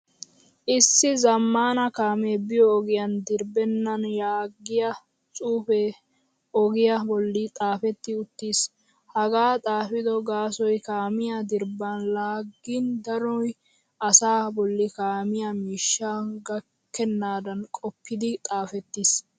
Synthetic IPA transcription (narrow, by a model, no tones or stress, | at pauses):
ʔɪsːɪzɐmːaːnɐkaːmeːbɪjɔːɡɪjɐnd̪ɪɾbɛnːɐnjaːɡːɪjɐ | t͡sʼuːfe | ɔɡɪjɐbɔlːɪt̪ʼaːfɛt̪ːɪʊt̪ːiːs | hɐɡaːt̪ʼaːfɪd̪ɔɡaːsɔjkaːmɪjɐd̪ɪɾbɐnlaːɡːɪnd̪ɐɾɔj | ʔɐsaːbɔlːɪkaːmɪjɐmiːʃːaɡɐ | kːɛnːaːd̪ɐnkʼɔpʰːɪd̪ɪt̪ʼaːfɛt̪ːiːs